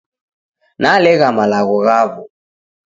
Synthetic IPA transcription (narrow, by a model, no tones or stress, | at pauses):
nalɛɣamalaɣɔɣaβɔ